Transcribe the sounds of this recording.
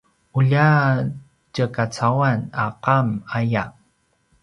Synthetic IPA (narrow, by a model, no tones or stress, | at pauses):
ʔuʎa | cəkat͡sawanaqamaja